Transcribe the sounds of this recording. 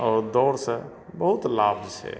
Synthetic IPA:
ɔːɾd̪ɔːɾsə̃ | bəɦut̪laːbzt͡ʃʰɛ̰

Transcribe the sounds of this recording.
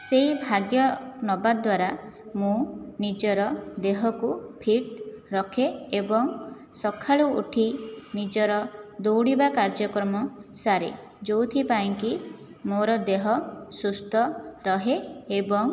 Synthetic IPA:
seibʱaɡjɔnɔbad̪waɾamũnid͡ʒɔɾɔd̪eɦɔkupʰiʈɾɔkʰeebɔŋ | sɔkʰaɭuṵʈʰinid͡ʒɔɾɔd̪owɽibakaɾd͡ʒɔkɾɔmɔsaɾḛ | d͡ʒowt̪ʰipaiŋki | moɾɔd̪eɦɔsust̪ʰɔɾɔɦeebɔŋ

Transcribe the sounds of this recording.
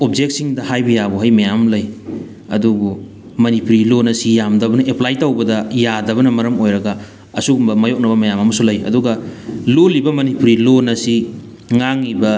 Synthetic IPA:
op̚d͡ʒek̚t̚siŋdɐhajbɐjabuɦɐjmɐjamlɐj | ɐdubu | mɐnipuɾilonɐsijamdɐbɐnɐʔeplajtawbɐdɐjadɐβɐnɐmɐɾɐmojɾɐɡɐ | ɐsuɡumbɐmɐjok̚nɐβɐmɐjamɐmɐsulɐjɐ̰duɡɐlolibɐmɐnipuɾilonɐsi | ŋaŋːibɐ

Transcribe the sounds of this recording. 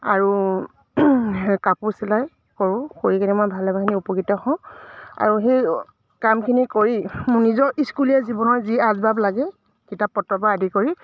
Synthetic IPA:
aɹu | kapusilaj | kɔɹʊ̃koɹikʰinimɔjbʱalɛbʱakʰiniupɔkitɔhɔ̃ʊ̃a̰ɹuxej | kamkʰinikoɹimʊnizɔʔiskulijɛzibɔnɔɹziazbablaɡɛ | kitapːɔtɹɔpaːdikoɹi

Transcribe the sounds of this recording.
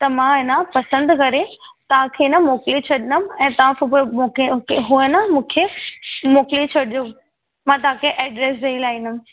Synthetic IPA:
t̪ɐmãɪnãpɐsə̃nd̪kɐɾet̪ɐʋ̤ãkʰenɐmoːklit͡ɕʰɐɗɪnəmɛ̃ːt̪ɐʋãmoːkkɦuənəmũːkʰemoːklit͡ɕʰɐɗiju | mãt̪̬ɐɦãkʰeʔɛːɖɾeːs̬eilaːĩnəm

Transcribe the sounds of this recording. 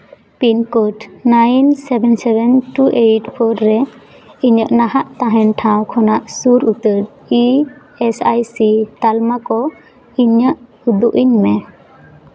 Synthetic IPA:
pinkoʈnajnsɛbɛnsɛbɛnʈuʔejʈpʰɔɾːɛ | iɲəʔnaɦaʔt̪aɦɛnʈʰãwkʰɔnaʔsuɾut̪əɾ | i | ɛsajsit̪almakɔ | iɲəʔ | ud̪uʔiɲmɛ

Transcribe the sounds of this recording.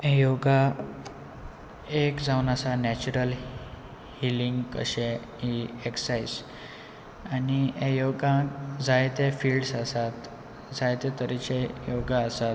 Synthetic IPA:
ẽjoɡa | ekd͡zawnasanɛt͡ɕuɾəl | hiliŋɡkə̰ɕe | ɦieksajs | aniẽjoɡãd͡zajt̪efiːlɖsasat̪ | d͡zajt̪et̪əɾit͡ɕejoɡaəsat̪

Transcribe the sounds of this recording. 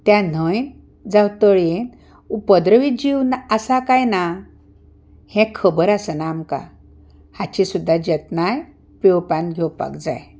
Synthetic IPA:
t̪jãn̤əjn | d͡zawt̪əɭjen | upəd̪ɾəʋid͡ʑiwnaasakajna | hɛ̃kʰəbəɾasənaːmka̰ | hat͡ɕisud̪ʱːad͡ʑət̪naj | pewpãnɡʱɛwpa̰kd͡za̰j

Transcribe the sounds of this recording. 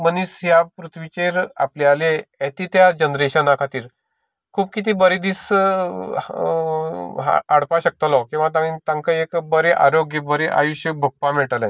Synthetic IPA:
mənisjapɾut̪ʰʋit͡ɕeɾa̰plealeɛt̪iːt̪jad͡ʑənɾeɕənakʰat̪iːɾ | kʰuːb̚kit̪̬iːbəɾed̪is | aɽpaɕək̚t̪əlɔkĩw̃ʋat̪ãt̪ãŋkəekbəɾeʔa̰ɾoɡjəbəɾeʔa̰juɕjəbʱək̚pamiɭʈəla

